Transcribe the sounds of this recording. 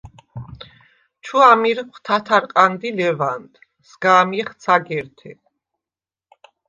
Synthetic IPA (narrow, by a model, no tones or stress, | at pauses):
t͡ʃʰuamiɾkʰt̪ʰat̪ʰaɾqʼand̪ilɛvand̪ | sɡaːmiχt̪sʰaɡɛɾt̪ʰɛ